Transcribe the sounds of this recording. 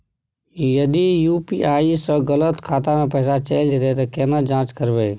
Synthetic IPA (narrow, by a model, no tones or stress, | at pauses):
jəd̪ijuːpiʔaːisəɡələt̪kʰaːt̪amẽpɛːsat͡ʃeɪld͡ʒ̪et̪et̪əkeːnəd͡ʒãːt͡ʃkəɾbeː